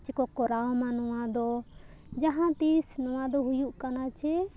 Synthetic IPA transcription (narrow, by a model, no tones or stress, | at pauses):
t͡ʃɛkɔkɔɾawmanɔ̃wad̪ɔ | d͡ʒaɦãt̪isnɔ̃w̃ãd̪ɔɦujuʔkanat͡ʃʰɛ